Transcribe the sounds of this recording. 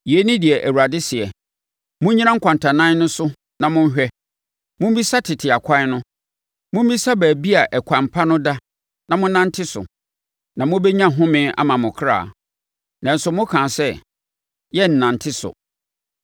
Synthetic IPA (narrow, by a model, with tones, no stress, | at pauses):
jɛ˦nɪ̃˦di˨ɛ˨ʔæ˨wu˨ɾa˨dɪ˦sɪ˨ɛ˨ | mʊ̃˦ɲĩ˦ã˦ŋ̩˦kʷʰã˨ntʰã˨nã˦n˦nʊ̃˦sʊ˦ | nã˨mʊ̃˦n˦ɦᶣɛ˦ | mʊ̃˦bi˦sa˦tʰɪ˨tʰɪ˨a˨kʷʰã˦nʊ̃˦ | mʊ̃˦m˦bi˦sa˦bæː˨bi˦a˨ʔɛ˨kʷʰã˨mpʰa˦nʊ̃˦da˦ | nã˨mʊ̃˦nã˦n˦tʰɪ˦sʊ̰˨ | nã˨mʊ̃˦bɛ˦ɲã˦ɦʊ̃˦mɪ̃˦a̰˦mã˨mʊ̃˨kʰa̰ː˨ | nã˨n̩˨sʊ˨mʊ̃˦kʰãː˨sɛ˦ | jɛ˦n̩˨nã˨n˨tʰɪ˦sʊ̰˨